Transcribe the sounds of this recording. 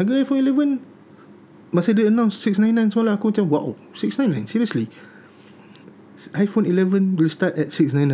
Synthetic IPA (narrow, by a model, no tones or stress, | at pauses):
aɡəajfõnilɛvə̃n | maseditənãw̃nssiksnãj̃nːãjnsmɔlaakõntɛ̃wa̰ | siksnãjnːãjnsiɹiəsli | ʔajfõnilɛvə̃nwilstatɛt̚siksnãj̃nã